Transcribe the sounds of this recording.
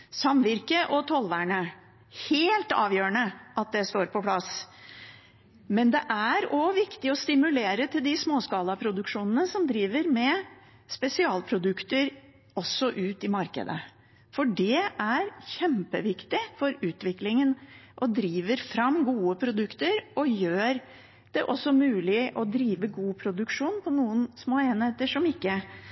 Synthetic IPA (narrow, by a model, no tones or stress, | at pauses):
sɑmʋɪɾkəʔɔt̪ʰɔlʋæɳə | heːlt̪ɑ̰ːʋjøːəɳəʔɑt̪̚d̪ɛst̪oːɾpʰɔpʰlɑs | mɛnd̪ɛʔæɾɔʋɪkt̪ɪɔst̪ɪmʉleːɾət̪ʰɪld̪ɪsmoːskɑːlɑpʰɾʊd̪ʉkʂuːnənəsɔmd̪ɾiːʋəɾmɛ | spɛsɪɑːlpʰɾʊd̪ʉkt̪əɾ | ɔsːɔʔʉːt̪ɪmɑɾkə̰d̪ə̰ | fɔɖɛʔæɾçɛmpəʋɪkt̪ɪfɔɾʉːt̪ʋɪklɪŋənʔɔd̪ɾiːʋəɾfɾɑmɡuːəpʰɾʊd̪ʉkt̪əɾʔɔjøːɾ | d̪̥ɛʔɔsːɔmʉːlɪʔɔd̪ɾiːʋəɡuːpʰɾʊd̪ʉkʂuːnpʰɔnuːənsmoːeːnheːt̪əʂɔmɪkːə